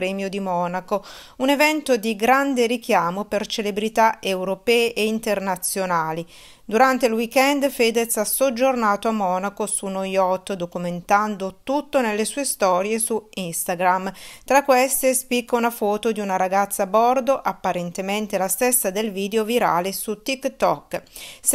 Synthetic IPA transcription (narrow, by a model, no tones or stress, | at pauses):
ɾɛːmjod̪imɔːnako | unevɛnt̪od̪iɡɾand̪eɾik̟jaːmopert͡ʃelebɾit̪aewɾopɛːeʔeint̪ernat̪sːjonaːli | d̪uɾant̪eilwikɛnd̪feːd̪et̪sasod͡ʒːornaːt̪oamːɔːnakosunojɔt̪ːd̪okument̪and̪ot̪ut̪ːonelːesuːest̪ɔːɾjesuinst̪aɡɾamt̪ɾakːwɛst̪espikːaunafɔːt̪od̪iunaɾaɡat̪sːaːbɔrd̪oʔapːaɾent̪ement̪elast̪ɛsːad̪elviːd̪eoviɾa̰ːlesut̪ikt̪ɔkː